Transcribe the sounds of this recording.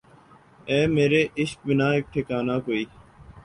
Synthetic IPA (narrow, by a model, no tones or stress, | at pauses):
eːmeːɾeːʔɪʃk̚bɪnaːeːk̚ʈʰɪkaːnaːkoːiː